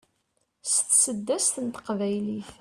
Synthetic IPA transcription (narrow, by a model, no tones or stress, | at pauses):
st̪səd̪ːæst̪ənt̪ə̥qvæjliθ